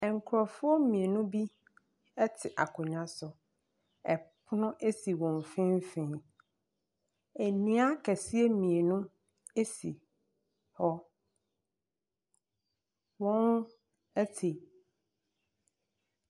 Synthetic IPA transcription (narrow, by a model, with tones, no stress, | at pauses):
ɛ˨ŋ˨kʰʊ˨ɾɔ˨fʊ˦ɔ˦mĩ˨e˨nʊ̃˦bi˦ | ɛ˦tʰɪ˨ʔa˨kʰʊ̃˨ɲã˦sʊ˨ | ɛ˨pʰʊ˦nʊ̃˦ʔe˦si˨wɔ̃˨ɱ˨fɪ̃˦m˦fɪ̃˦ | æ˨nĩ˦a˦kʰæ˨si˦e˦mĩ˨e˨nʊ̃˦ | e˦sḭ˨ | hɔ˦ | wɔ̃˦n | ɛ˦tʰɪ˨